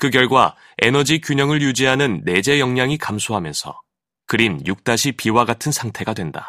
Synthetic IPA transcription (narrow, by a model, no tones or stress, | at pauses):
kɯɡjʌɭɡwa | e̞nʌd͡ʑikjuɲʌŋɯɭjud͡ʑiɦanɯnːe̞d͡ʑe̞jʌŋɲaŋikamsʰoɦamjʌnsʰʌ̰ | kɯɾinjuk̚t͈aɕʰipiwaɡatʰɯnsʰaŋtʰe̞ɡadwe̞nda̰